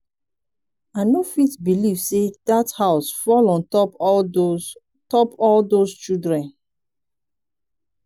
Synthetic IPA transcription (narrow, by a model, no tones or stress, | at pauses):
anofitbilivsedathaʊsfɔlɔ̃ntɔp | tɔpɔldost͡ʃildɹɛ̃n